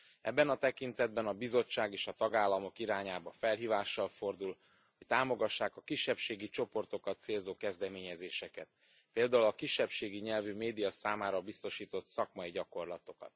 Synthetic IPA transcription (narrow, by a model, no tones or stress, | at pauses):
ɛ̰bːɛnɒt̪ɛkint̪ɛd̪̚bɛnɒbizo̞t͡ʃːaːɡeːʃɒt̪ɒɡaːlːɒmo̞kiɾaːɲaːbɒfɛlɦiːvaːʃːɒlfo̞rd̪ul | hoc̚t̪aːmo̞ɡɒʃːaːkɒkiʃːɛpʃeːɡit͡ʃo̞po̞rt̪o̞kɒt̪seːlzoːkɛzd̪ɛmeːɲɛzeːʃɛkɛt̪̚ | peːld̪aːulɒkiʃːɛpʃeːɡiɲɛlvymeːd̪ijɒsaːmaːɾɒbist̪o̞ʃiːt̪o̞t̪sɒkmɒiɟɒko̞rlɒt̪o̞kɒ̰t̪̚